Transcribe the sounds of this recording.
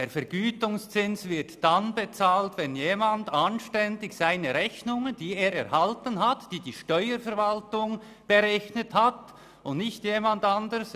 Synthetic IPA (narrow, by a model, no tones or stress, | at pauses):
d̥eːɾfɛɾɡ̥yːtʊŋst͡sɪnsvɪɾtd̥anbet͡saːltvɛnjeːmandanʃtɛndɪçsaɪnəɾɛçnʊŋənd̥iːeːɾɛɾhaltənɦatd̥iːdiːʃtœʏəɾfɛɾvaltʊŋ | b̥eʁɛçnəthat | ʊndnɪçtjeːmandandəs